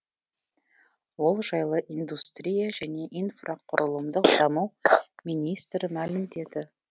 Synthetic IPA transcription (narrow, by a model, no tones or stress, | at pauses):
wo̞lˠʒɑjlˠəʔind̪ust̪ɾʲijaʒæne̞ʔinfraqʰʊɾʔəlˠəmd̪əqd̪̥ɑmɑwminist̪ɾəmælɪmd̪e̞d̪ɪ